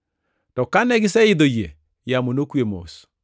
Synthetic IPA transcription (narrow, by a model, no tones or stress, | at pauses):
tɔkanɛɡɪsɛɪd̪oje | jamonokwemo̰s